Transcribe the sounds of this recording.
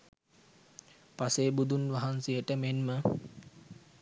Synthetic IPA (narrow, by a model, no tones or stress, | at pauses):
paseːbud̪unʋaɦansejəʈəmenmə